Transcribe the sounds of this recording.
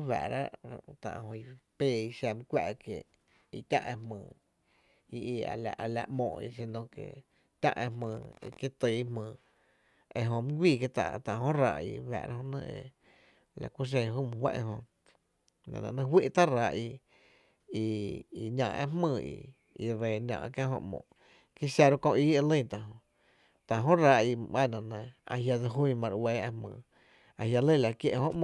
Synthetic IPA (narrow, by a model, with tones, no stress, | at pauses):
wa̰˨ɾa̰˦ʔt̪ã̰˧˨ʔhõ˧i˧pe˧˨i˧ʃa˧˨mĩ˧kʷa˧ʔke˧˨ | i˧t̪ʲã̰˦ʔẽ˧mə̃ː˧˨ | i˧i˧a̰˨la˨ʔa˧la˧ʔmõ̰ː˧˨˧ḭ˧˨s̬e˧nõ˧kḛ˨ | t̪ʲã̰˦ʔḛ̃˧mə̃ː˧˨i˧ke˦t̪ɨ˧˨˦hmə̃ː˧˨ | e˧ʔɦõ˧mɨ̃˦ɡʷiː˦˧˨ke˧t̪a̰˧t̪ã˧˨˧hõ˦ɾa˧˨ʔḭ˧wa̰˨ɾa˦hõ˧˦nə̃˧ḛ˧˨ | la˧˨kʷu˦ʃ̬ẽ˧ɦuː˦mũ˧hwa̰˦ʔẽ˧ɦõ˧ | nã̰˨nã˧˨nə̃˧ɦwi˦ʔt̪a˦ɾa˧˦ʔi˧ | i˧i˨ɲã˧ʔḛ˦mmə̃ː˧˨ḭ˧˨ | i˧ɾe˨nã̰˧˨ʔkjã˦ɦõ̰˧ʔmõ̰˧˨ | ki˦sja˧ɾo˦kõ˧ʔiː˦e˧lə̃˦˨t̪a˨ɦõ˧ | t̪a˨ɦõ˦ɾa˧ʔi˧ã˦˨nã˨nẽ˧˨a̰˧ɦja˧d͡zə˧ɦũ˦˧mã˧ɾweː˧˦e˧mə̃ː˧˨ | a˨hja˧lə˦˨la˧˨kje˧ʔhõ˧ʔm̃˧˨